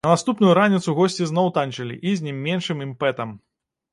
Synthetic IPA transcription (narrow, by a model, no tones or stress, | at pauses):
nɐnast̪upnujuɾanʲit̪suɣɔsʲt͡sʲiznɔwt̪ant͡ʂɐlʲḭʔizʲnʲɛmʲːɛnʂɨmimpɛt̪ɐm